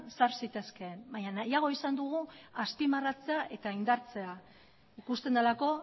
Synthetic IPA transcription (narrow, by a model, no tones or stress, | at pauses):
saɾsit̪e̞ske̞mbaɲanajaɣ̞o̞isand̪uɣ̞uaspimarat͡se̞aʔe̞t̪aind̪aɾt͡se̞a | ikust̪e̞nd̪alako̞